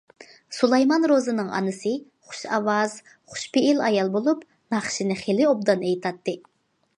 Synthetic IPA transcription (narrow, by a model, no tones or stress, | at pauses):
sulˠɑjmɑnɾozɨnɨŋɑ̰nɨsɨ | χʊ̥ʃɑwɑz̥ | χʊ̥ʃpeilɑjɑlˠbolˠup | nɑχʃinɪχelɪob̚d̪ɑnejt̪ʰɑt̪ːɨ